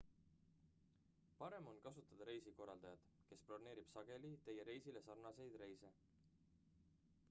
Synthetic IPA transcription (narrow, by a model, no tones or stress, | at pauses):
pɑɾe̞mo̞nkɑsut̪ːˑɑd̪̥ɑɾe̞jsiko̞rːɑld̪̥ɑjɑd̪̥ | ke̞sprorne̞ːɾib̥sɑɡ̥e̞lit̪e̞jeɾe̞jsile̞sɑrnɑse̞jd̪̥re̞jse̞